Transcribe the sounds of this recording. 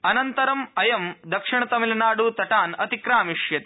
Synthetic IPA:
ɐnɐnt̪ɐɾɐmɐjɐmd̪ɐkʂɪɳɐt̪ɐmilɐnaːɽuːt̪ɐʈaːnɐt̪ikɾaːmiʂjɐt̪i̥

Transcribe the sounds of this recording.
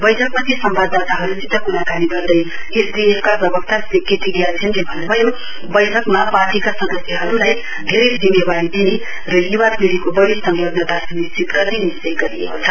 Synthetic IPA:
bʌjʈʰʌkmat̪esʌmbʱad̪at̪aɦʌɾutit̪ʌkuɾakaniɡʌrd̪ʌj | esdieskaprʌbʌkt̪ʰasekːet̪ʰiɡijat͡sʰʌnkibʱʌnebʱʌjo | bʌjʈʰʌkmaparʈikasʌnd̪ʌsjeɦʌɾulaj | d̪ʱeɾʌjd͡zimːebaɽit̪ini | rʌjiwapiɽikobʌɽisʌŋɡlʌbnʌt̪asumist͡sit̪rʌt̪inist͡sʌjɡʌɾiḛkot͡sʰʌ

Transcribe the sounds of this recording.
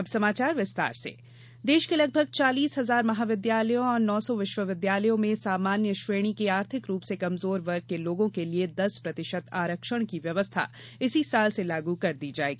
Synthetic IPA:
ɐbsɐmaːt͡ʃaːɾʋɪst̪a̰ːɾsḛ | d̪eːʃkelɐɡ̚bʱəɡ̚t͡ʃaːliːsɦɐzaːɾmɐɦaːʋɪd̪jaːləjõɔːɾnɔːsɔʋɪʃʋəʋɪd̪jaːləjõmẽsaːmaːnjəʃʋeːɽ̃ikeaːɾt̪ʰɪkɾuːpsekɐmzoːɾʋɐɾɡ̚keloːɡõkelied̪ɐspɾɐt̪ɪʃət̪aːɾəkʃəɽ̃kiʋjɐʋəst̪ʰa̰ | ɪsisaːlselaːɡukɐɾd̪iːd͡ʒaːḛːɡiː

